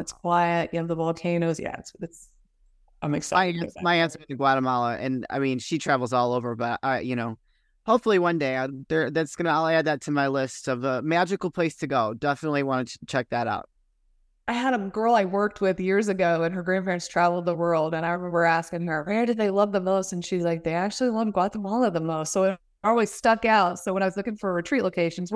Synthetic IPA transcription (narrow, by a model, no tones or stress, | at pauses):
ɨtskʰw̥aɪɨt̚jɨnoʊðəvɔlˠkʰẽɪ̃ɾ̃oʊzjæ̰sðɨts | ãɪ̃mɨksaɪɪ̃maɪæ̃nsə˞ɨɨɡwɑɾəmɑlˠəʔɨ̰̃na̰ɪmĩnʃitʰɹ̥ævl̩ˠzɔlˠoʊvə˞bʌtʌjɨñoʊ | hoʊpfl̩ˠiwʌ̃ndeɪðə˞ðætsɡ̥ʌnəalˠæd̪̚ðɨtʰɨmaɪlɪstʌvəmæd͡ʒɨkl̩ˠpʰl̥eɪstʰɨɡoʊdɛfənətˡliwɑ̃nɨt͡ʃʰɛk̚ðɨɾa̰ʊt̚ | ʔaɪɨɾəɡɜ˞lˠaɪwɜ˞k̚t̚wɪðjɪɹzɨɡoʊɨ̃nə˞ɡɹæ̃npʰɛ̃nz̥tʰɹ̥ævl̩ˠd̪̚ðəwɜ˞lˠdɨ̃ñaɪɹɨmɛ̃mbə˞æskɪ̃ŋə˞wɛdɨd̪̚ðeɪlʌvðə̃mðoʊsɨ̃n̩ʃizlaɪk̚ðeɪæk̚t͡ʃʉl̩ˠilʌvɡ̥ɑt̪̚ðə̃mwʌ̃nˠʌvðə̃mðoʊssoʊɨɾ | ɔlˠwiz̥stʌkaʊtsoʊwə̃naɪwʌzlʊkɪ̃ŋfə˞ɹɨtʰɹ̥itˡlʔoʊkʰeɪʃɨ̃n̩z